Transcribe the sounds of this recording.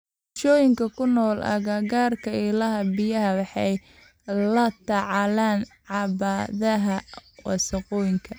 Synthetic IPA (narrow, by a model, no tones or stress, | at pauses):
ʃɔːjɪŋkʰɐkʰʊnɔːlɐ̰ɣaːɣaːrkʰɐɪlɐɦɐbɪjɐɦɐwɑħɑj | lɐt̪ʰɐʕɑlaːnʕɑβaːðɐɦɐwɑ̰sɐqɔːjɪŋkʰɐ